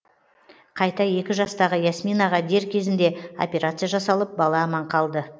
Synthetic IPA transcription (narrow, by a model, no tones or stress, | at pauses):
qʰɑjt̪ɑje̞kʲɪʒɑst̪ɑʁəjasmijnɑʁɑd̪e̞ɾkʲʰe̞zɪnd̪e̞o̞̰pʲeɾat̪sɨjaʒɑsɑlˠəp̚bɑlˠɑːmɑɴqʰɑlˠd̪ə